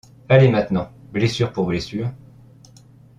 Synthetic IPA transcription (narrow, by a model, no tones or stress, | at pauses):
alemɛ̃t̪nɑ̃blesyʁpuʁblesyːʁ